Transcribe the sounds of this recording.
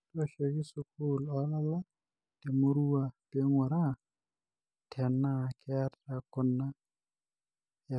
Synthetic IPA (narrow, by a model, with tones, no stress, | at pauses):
to˦˨ʃɔ˨kɪ˦sʊ˨ku˦lɔ˨˦la˦la˦ | te˨mo˦ɾu˦a˨pe˦ŋʊ˨ɾa˦ | tʰɛ˨na˦˨kɪ˦a˦ta˨kʊ˨na˦˨